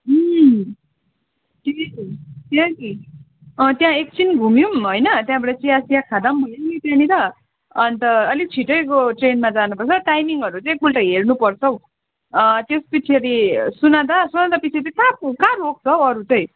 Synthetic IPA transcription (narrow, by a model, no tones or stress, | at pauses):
ʈʰiktjaki | ʌt̪jãek̚t͡sinɡʱumjumɦojnʌt̪jãbʌʈʌt͡siasijakʰad̪ʌmbʱʌjenkit̪jãnit̪ʌː | nt̪ʌʌlit͡sʰiʈʌjkoʈrenmad͡zanupʌrt͡sʰʌʈajmiŋɡʌɾut͡sʌ̃k̚bulʈʌɦernupʌrt͡sʰʌw | t̪espit͡sʰiʌɾisunad̪asunad̪apit͡sʰiʌɾĩkap̚ukaɾok̚t͡sʰʌʌɾut͡sʌj̃